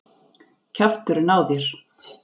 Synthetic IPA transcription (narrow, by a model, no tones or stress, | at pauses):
cʰaft̪ʏɾʏnaːwðɪɾ̥